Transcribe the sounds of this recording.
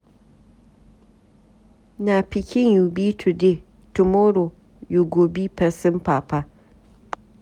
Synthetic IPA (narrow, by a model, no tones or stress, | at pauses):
napɪkʲɪɲjuːbitʰude | tʊmoːɾo | juɡoːbipɐsɪmpaːpa